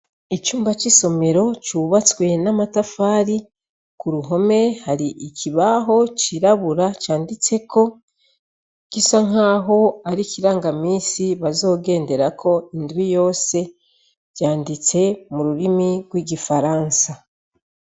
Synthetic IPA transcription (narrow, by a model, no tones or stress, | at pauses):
it͡ʃuːmbat͡ʃiso̞me̞ɾo̞t͡ʃuβat͡swe̞namatafaːɾi | kuɾuɦo̞me̞haɾiʔikʰiβaɦo̞t͡ʃiɾaβuɾat͡ʃaːndit͡se̞kʰo̞ | kisaŋaːɦo̞aɾikiɾaːŋɡamiːsiβazo̞ːɡe̞ːnde̞ɾakʰo̞indwijo̞ːse̞ | ɟ̥aːndit͡se̞muɾuɾimiɡwiɡifaɾaːnsa